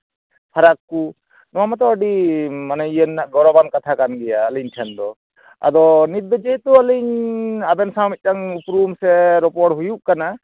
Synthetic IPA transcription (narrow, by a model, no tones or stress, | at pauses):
pʰaɾakːu | nɔamat̪ɔəɖimanɛijənːaʔɡɔɾɔbankat̪ʰakanɡɛjaːliɲʈʰɛnd̪ɔ | a̰d̪ɔnit̪̚bɛd͡ʒɛɦɛt̪uəliɲabɛnsãmit̪̚taŋupɾumsɛɾɔpɔɾʈɦujuʔkana